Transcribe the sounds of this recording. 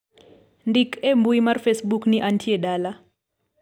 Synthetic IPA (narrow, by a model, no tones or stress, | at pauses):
ndikʰembuimarfesɓukniʔantʰieɗala